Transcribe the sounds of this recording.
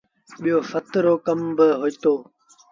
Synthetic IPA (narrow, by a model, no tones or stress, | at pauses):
ɓijoːfət̪ɾoːkəmbəɦoːit̪oː